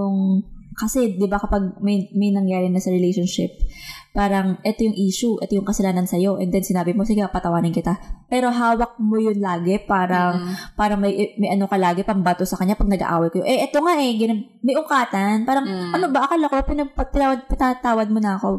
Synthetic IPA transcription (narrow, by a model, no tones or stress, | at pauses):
joŋkɐsɛd̪ɪbakɐpɐɡ̚mɐjmɐjnɐŋjaːɾɪnɐsɐɾɛlɛjʃonʃɪ̰p̚ːaːɾɐŋʔɛt̪o̞jʊŋʔiːʃʊʔɛ̰t̪ojʊŋkɐsɐlaːnɐnsɐjo̞ʔɛ̰nd̪ɛnsɪnaːbɪmosɪkɪapɐt̪ɐwaːnɪnkɪt̪apɛːɾo̞ɦaːwɐk̚mojʊnlaːɡɛpaːɾɐŋpaːɾɐŋmɐjʔmɐjʔɐno̞kɐlaːɡɛpɐŋbat̪osɐkɐɲapɐɡ̚nɐɡa̰ʔa̰ːwɐjkɐjoʔɛʔɛt̪o̞ŋaʔɛɡɪno | mɐjʔʊŋkaːt̪ɐnpaːɾɐŋʔɐno̞bɐʔɐkɐlokopɪnɐppɪnaːwɐd̪̚pɪnɐt̪aːwɐd̪̚monɐɐko̞